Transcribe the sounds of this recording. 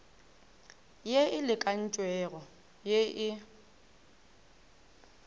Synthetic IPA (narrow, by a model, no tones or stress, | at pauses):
jeɪlɪkʼan̩t͡ʃʼwɛɣɔ | jeʔɪ